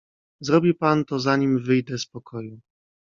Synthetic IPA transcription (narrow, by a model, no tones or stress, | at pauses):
zɾɔbʲipant̪ɔzaɲimvɘjd̪ɛspɔkʰɔju